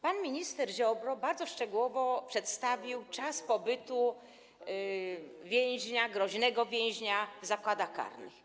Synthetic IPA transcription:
panmʲiɲist̪ɛɾʑɔbɾɔbaɾd̪zɔʂt͡ʂɛɡuwɔvɔpʂɛt̪st̪avʲiwt͡ʂaspɔbɘt̪u | vʲjɛ̃j̃ʑɲaɡɾɔʑnɛɡɔvʲjɛ̃ʑɲazakwad̪axka̰ɾnɘ̰x

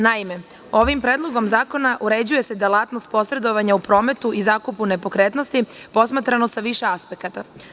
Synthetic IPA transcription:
naime̞ | o̞ʋimpɾe̞ːd̪lˠo̞ɡo̞mzaːko̞naʔuɾe̞d͡ʑuje̞sed̪elˠaːt̪no̞st̪̚po̞sɾe̞d̪o̞ʋaɲaupɾo̞ːme̞t̪uʔizaːkupune̞po̞kɾe̞t̪no̞st̪ipo̞smat̪ɾano̞saʋiʃe̞aspe̞kat̪a

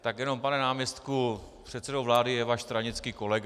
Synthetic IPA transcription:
t̪akjɛno̞mpanɛnaːmjɛst̪ku | pr̝̥ɛt̪t͡sɛdowvlaːdɪjɛvaːʃst̪ɾaɲɪt͡skiːko̞lɛɡ

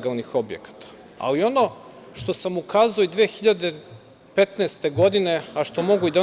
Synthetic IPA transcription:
ɡalnixo̞bjḛkḁt̪ḁ | a̰lio̞no̞ʃt̪o̞samukaːzaoid̪ʋeːxiʎad̪e | pe̞t̪neːst̪e̞ɡo̞d̪ine̞aʃt̪o̞mo̞ɡuid̪a

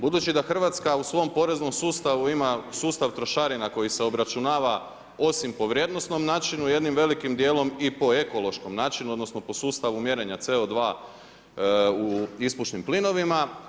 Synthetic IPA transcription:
bud̪ut͡ʃid̪axr̩ʋat̪skausʋo̞mpo̞ɾe̞zno̞msuːst̪aʋuimasuːst̪aʋt̪ɾo̞ʃaɾinako̞jise̞o̞bɾat͡ʃunaːʋa | o̞simpo̞ʋɾje̞d̪no̞sno̞mnaːt͡ʃinuje̞d̪nimʋe̞likimd̪je̞ːlˠo̞mipo̞e̞ko̞lˠo̞ʃko̞mnaːt͡ʃinuod̪nosno̞po̞suːst̪aʋumje̞ɾe̞ɲat̪seod̪ʋaː | uispuʃnimplino̞ʋima

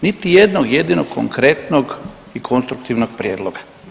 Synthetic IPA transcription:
nit̪ijed̪noɡjed̪inoɡkʰːo̰ŋkɾet̪noɡ | ikʰo̞nst̪ɾukt̪iʋnoɡ̥̚pɾjeːd̪lˠoɡa

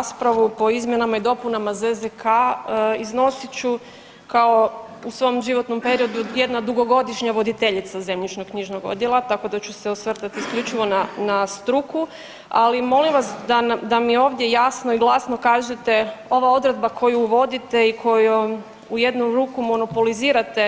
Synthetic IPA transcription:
aspɾaʋupo̞izmje̞namaid̪o̞punamazezd̪ekʰaizno̞sit͡ɕu | kao | usʋo̞mʒiʋo̞t̪no̞mpe̞ɾio̞d̪uje̞d̪nad̪uɡo̞ɡo̞d̪iʃɲaʋo̞d̪it̪e̞ʎit̪saze̞mɲit͡ʃnokkɲiʒnoɡo̞̰d̪jelˠat̪ako̞d̪at͡ɕuseosʋr̩t̪at̪iskʎut͡ʃiʋo̞nanast̪ɾuku | alimo̞limʋasd̪anad̪amio̞ːʋd̪je̞jasnoiɡlˠasno̞kaːʒet̪e̞o̞ʋao̞d̪ɾe̞d̪̚bakʰo̞juuʋo̞d̪it̪e̞ikʰo̞ju | uje̞d̪nuɾuːkumo̞no̞po̞liziːɾat̪e̞

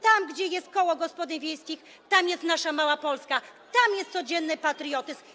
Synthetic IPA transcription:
t̪amɡd͡ʑɛjɛst̪̚kɔwɔɡɔspɔd̪ɘɲvʲjejskʲix | t̪amjɛst̪naʂamawapɔlskat̪amjɛst̪sɔd͡ʑɛnːɘpat̪ɾɨjɔt̪ɘsm

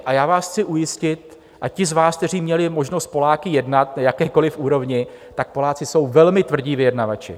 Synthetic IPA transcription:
ʔajaːvaːsxt͡sɪʔujɪscɪt̪̚ | ʔacɪzvaːsk̚t̪ɛriːmɲɛlɪmo̞ʒno̞st̪̚po̞laːkɪjɛdnat̪najakɛːko̞lɪfʔuːɾo̞vɲɪ | t̪ak̚po̞laːt͡sɪso̞wvɛlmɪt̪vr̩ɟiːvɪjɛdnavat͡ʃɪ̰

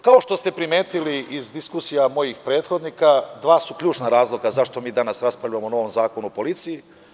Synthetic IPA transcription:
kaoʃt̪o̞st̪e̞pɾime̞ːt̪iliʔizd̪iskusijamo̞jixpɾe̞ːt̪xo̞d̪nikad̪ʋaːsukʎʲuːt͡ʃnaɾaːzlˠo̞ɡazaʃt̪o̞miːd̪anasɾaspɾavʎujamono̞ʋo̞mzaːkonupo̞lit̪siji

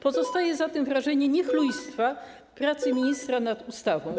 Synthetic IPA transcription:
pɔzɔst̪ajɛzat̪ɛmvɾaʐɛɲɛɲɛxlujst̪fa | pɾat̪sɘmʲiɲist̪ɾanad̪ust̪avɔ̃w̃

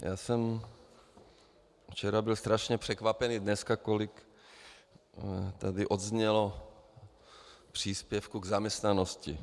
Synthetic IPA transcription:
jaːsɛm | ft͡ʃɛɾabɪlst̪ɾaʃɲɛpr̝̥ɛkvapɛnidnɛskakolɪk | t̪adɪʔo̞d̪zɲɛlo | pr̝̥iːspjɛfkuɡzamɲɛst̪nanoscɪ̰

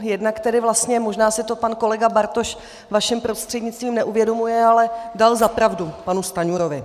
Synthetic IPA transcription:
jɛdnakt̪ɛdɪvlast̪ɲɛmo̞ʒnaːsɪt̪o̞panko̞lɛɡabaɾt̪o̞ʃ | vaʃɪmpɾo̞st̪r̝̥ɛdɲɪtt͡st̪viːmnɛʔuvjɛdo̞mujɛalɛdalzapɾavdupanust̪aɲuːɾovɪ

